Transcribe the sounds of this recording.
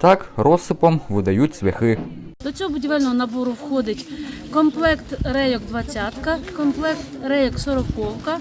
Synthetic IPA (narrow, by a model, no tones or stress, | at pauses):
t̪ɑkɾɔsɪpɔmʋɪd̪ɐjutʲsʋʲɛxɪ | d̪ɔt͡sʲɔɦɔbʊdʲiʋɛlʲnɔɦɔnɐbɔɾʊwxɔd̪ɪtʲkɔmplˠɛkt̪rɛjɔɡd̪ʋɐt͡sʲːat̪kɐkɔmplˠɛkt̪rɛjɔksɔɾɔkɔwkɐ